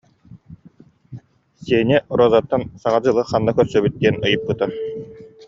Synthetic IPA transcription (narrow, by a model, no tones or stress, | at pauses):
siːnʲɛʔɔɾɔzat̪ːansaʁad͡ʑɯlˠɯχanːakœɾsœbyt̪̚d̪iɛnɯjɯp̚ːɯt̪aɾ